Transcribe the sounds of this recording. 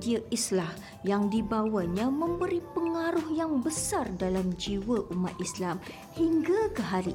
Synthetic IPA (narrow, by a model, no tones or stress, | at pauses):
diaʔislah | jaŋdibawaɲãmə̃mbəɾipəŋaɾʊhjaŋbəsardalamd͡ʒiwəʔumat̪̚islam | hiŋɡakəɦaɾi